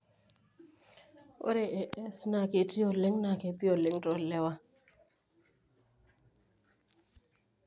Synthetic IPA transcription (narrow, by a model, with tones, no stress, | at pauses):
o̰˦ɾe˨ʔɛ˨ʔɛ˦sna˨ke˨ti˦o˨le˦ŋna˨ke˨pi˦o˨lɪ˦ŋtɔ˨lɛ˦wa˦